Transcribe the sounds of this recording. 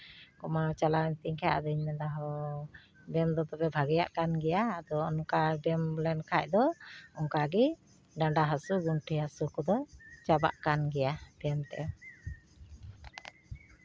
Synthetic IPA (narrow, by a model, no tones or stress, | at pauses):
kɔmat͡ʃalaɛnt̪iŋkʰaʔad̪ɔiɲmɛd̪aɦɔ | bɛmd̪ɔt̪ɔpɛbʱaɡɛja̰ʔkanɡɛjaːd̪ɔɔnkabɛmblɛnkʰac̚ˀd̪ɔɔŋkaɡɛ | ɖaɳɖaɦasuɡunʈʰihasukɔd̪ɔt͡ʃaba̰ʔkanɡɛjabɛmt̪ɛ̰